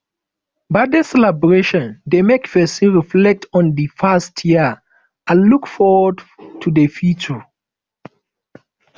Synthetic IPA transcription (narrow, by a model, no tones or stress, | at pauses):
baɪdəsɛlɛbɹeʃɔ̃ndemekfɛsĩɹiflɛk̚tʰɔ̃ndifastʰjiə | ãnlukfɔwədtʰudefjut͡ʃə